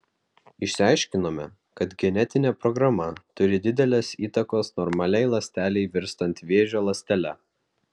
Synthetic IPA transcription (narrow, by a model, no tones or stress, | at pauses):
ɪʃʲsʲɪɑˑɪʃʲkʲɪnoːmʲɛ | kɐt̪ɡʲɛnʲɛt̪ʲɪnʲɛːpɾɔɡɾɐmɐt̪ʊɾʲɪd̪ʲɪd̪ʲɛlʲeːsiːt̪ɐkoːsnɔɾmɐlʲɛɪlˠɐsʲt̪ʲæːlʲɛɪʋʲɪɾst̪ɐnt̪ʋʲeːʒʲoːlˠɐsʲt̪ʲɛlʲɛ